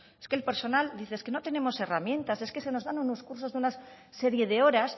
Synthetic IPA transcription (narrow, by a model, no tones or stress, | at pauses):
eskelpe̞ɾso̞nald̪iθeeskeno̞t̪e̞ne̞mo̞se̞ramjẽ̞nt̪aseske̞se̞no̞zðanunoskuɾs̬o̞zðuna | se̞ɾje̞ðe̞o̞ɾas